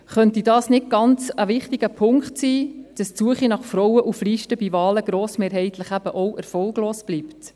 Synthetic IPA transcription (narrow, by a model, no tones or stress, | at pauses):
χœntidɑːsnɪt̚ɡ̥ɑnt͡səʋɪχtiɡ̥əpʰʊŋkχtsiːd̥ɑst͡suəχinɑχfɾɔwəʔufliːʃtəb̥ivɑːləɡ̥ɾoːsmeːɾhɛɪtləχæb̥əʔɔʔɛɾfɔlɡloːsb̥liːpt